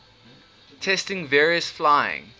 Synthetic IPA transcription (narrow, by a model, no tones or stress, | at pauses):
tʰɛstɪ̃ŋvɛːɹiəsflaɪɪ̰̃ŋ